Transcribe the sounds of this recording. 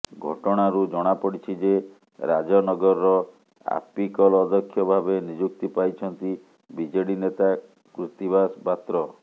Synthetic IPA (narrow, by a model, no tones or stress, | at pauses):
ɡʱɔ̰ʈɔɽ̃aɾud͡ʒɔɽ̃apɔɽit͡ʃʰid͡ʒe | ɾad͡ʒɔnɔɡɔɾːɔ | a̰pikɔlːd̪ɔkʰːjɔbʱabenid͡ʒuk̚t̪ipajt͡ʃʰɔnt̪i | bid͡ʒeɽinet̪a | kɾut̪ibaspat̪ɾɔ